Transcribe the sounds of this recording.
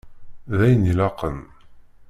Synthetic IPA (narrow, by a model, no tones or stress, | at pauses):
ðæjənilɑqən